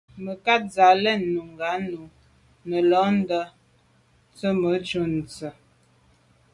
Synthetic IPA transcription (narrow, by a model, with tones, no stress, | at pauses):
mə˨ka˦t̚za˨lɛ˦˨˦nːu˨ŋɡa˨˦nu˨ | nə˨lɔ˨˦n̩˦də˦ | t͡sə˦mə˨˦t͡ʃu˦˨n̩˨t͡sə˨